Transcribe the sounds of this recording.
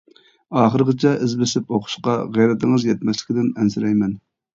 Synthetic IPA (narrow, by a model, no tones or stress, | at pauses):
ɑːχəɾəqɨt͡ʃʰɛʔɪzbɪsɪpoqʰʊ̥ʃqɑʁæjɾɛt̪ɪŋɨzjɛt̪̚mɛslɪ̥kʲid̪ɪnɛnsɪɾɛjmɛn